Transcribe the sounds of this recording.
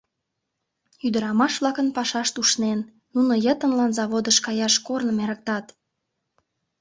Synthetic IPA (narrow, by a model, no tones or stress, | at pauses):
yd̪ə̆ɾɑmɑʃβlɑkənpɑʃɑʃt̪uʃnenː | unojət̪ə̆nlɑnzɑβod̪əʃkɑjɑʃkornə̆meɾək̚t̪ɑt̪